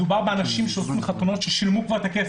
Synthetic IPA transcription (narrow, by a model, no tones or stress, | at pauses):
ubaʁbeanaʃimʃeosimχat̪ono̞tʃeʃilmukvaʁt̪akef